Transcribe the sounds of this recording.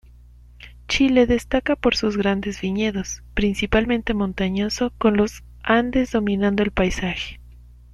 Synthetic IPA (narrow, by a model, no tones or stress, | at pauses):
t͡ʃile̞ðe̞st̪akapo̞ɾsuzɣɾand̪e̞zβiɲe̞ðo̞spɾinsipalmẽ̞nt̪e̞mõ̞nt̪aɲo̞so̞ko̞nlo̞s | and̪e̞zðo̞mĩnãnd̪o̞e̞lpajsaxe̞̥